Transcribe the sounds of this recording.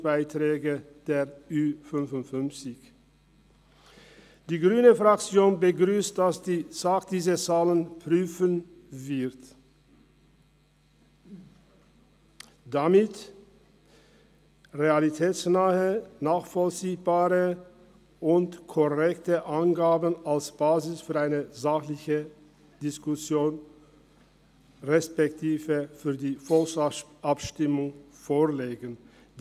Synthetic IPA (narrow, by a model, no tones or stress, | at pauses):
b̥aɪt̪ɾɛːɡə | d̪̥eːʁʉːfʏnfʊntfʏnt͡sɪç | d̥iːɡʁyːnəfʁak̚t͡sjoːnbəɡʁyːst̚d̥asd̪̥iːsaːkd̥iːzət͡saːlənpʰʁyːfən | vɪʁt | d̪̥amɪt | ʁealitʰɛːsnaːhənaːχfɔlt͡siːbaːʁə | ʔʊntkʰɔʁɛktəʔanɡaːbənalsb̥aːzɪsfyːɐaɪnəzaχlɪçə | d̥ɪskʊsjoːn | ʁɛspɛktʰiːvəfyːɐdiːfɔlsʔapʃtɪmʊŋ | foːɐleːɡən | d